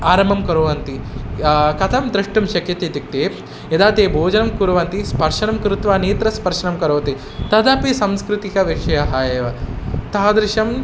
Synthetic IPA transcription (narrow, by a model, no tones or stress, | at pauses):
aːɾɐmɐmkɐɾoːʋɐnt̪i | kɐt̪ʰɐmd̪ɾɐʂʈɐmʃɐkjɐt̪et̪ik̚t̪eː | jɐd̪aːt̪eːbʱoːd͡ʒɐnɐmkuɾɐʋɐnt̪ispɐɾʃɐnɐmkɾut̪ʋaːneːt̪ɾɐspɐɾʂɐnɐmkɐɾoːɐt̪i | t̪ɐd̪ɐpisɐmskɾut̪ikɐʋiʂɐjɐɦaːjeːʋɐt̪aːɐd̪ɾɪʃɐm